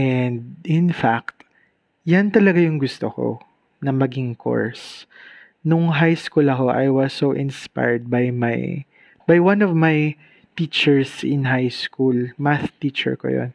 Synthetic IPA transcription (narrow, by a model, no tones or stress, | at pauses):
ʔɛnd̪̚ɪnfak̚t̪ | jant̪ɐlɐɡajʊŋɡʊst̪oko̰ | nɐmɐɡɪŋkʰo̰ɹs | nʊŋɦajskulɐko̞ʔa̰jwɐsːoʔɪ̃nspa̰jɹd̪̚bajma̰j | bajwanɔvmaj | t̪iːt͡ʃɛɹsɪnɦajskulmaθt̪it͡ʃɛ̰ɹko̰jo̰n